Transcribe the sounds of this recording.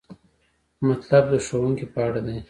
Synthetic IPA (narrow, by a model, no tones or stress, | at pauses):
mat̪lab̚d̪əʂowuŋkipəaɽad̪e